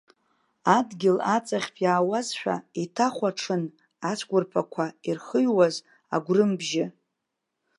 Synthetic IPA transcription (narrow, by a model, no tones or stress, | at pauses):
adɡʲɪlat͡sʼaχʲpʰʼjaːwazʃʷᶣa̰itʰaχʷaʈ͡ʂʰɨn | at͡sʷʰɡʷʊrpʰakʷʰairχəɥwaz | a̰ɡʷrɨmbʒɪ